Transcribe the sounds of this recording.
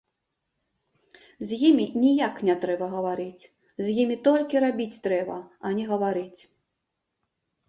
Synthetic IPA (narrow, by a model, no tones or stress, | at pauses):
zʲjimʲinʲijaknʲɛt̪ɾɛbɐɣɐvaɾɨt͡sʲ | zʲjimʲit̪ɔlʲkʲiɾabʲit͡sʲt̪ɾɛbɐ̰ɐnʲɛɣɐvaɾɨt͡sʲ